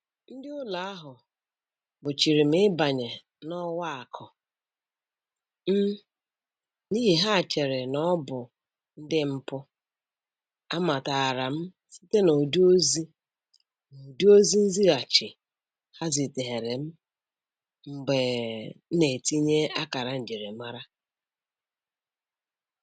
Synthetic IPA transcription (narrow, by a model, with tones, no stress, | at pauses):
n̩˦dɪ˦ʊ˦la˨a˦ɦʊ˨ | bʊ˨t͡ʃi˨ɾi˨m̩˦ɪ˦ba˨ɲe˨ | nɔ˦wa˦a˨kʰɔ˨ | m̩˦ | ni˦ɦi˨ɦa˦˨t͡ʃe˨ɾe˨nɔ˦bʊ˨ | n̩˦dɪ˦m̩˦pʊ˦ | a˦ma˨ta˨a˨ɾa˨m̩˦ | si˦te˦no˨du˦o˦zi˦ | no˨du˦o˦zi˦n̩˦zi˦ɾa˨t͡ʃɪ˨ | ha˦zi˨te˨ɦe˨ɾe˨m̩˦ | ŋ͡m̩˨ɡ͡be˨˦ne˨ti˦ɲe˦a˦ka˨ɾa˨n̩˨d͡ʒe˨ɾe˨m˦a˦ɾa˦